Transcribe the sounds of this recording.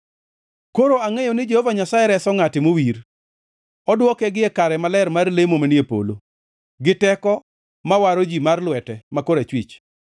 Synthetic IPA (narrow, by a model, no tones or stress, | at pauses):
koɾoaŋejonɪd͡ʒehovaɲasaɛɾɛsɔŋatɪmowiɾ | ɔdwɔkɛɡɪɛkaɾɛmalɛrmarlemomanjepo̰lo | ɡɪtɛkɔ | mawaɾod͡ʒimarlwɛtɛmakoɾat͡ʃwit͡ʃ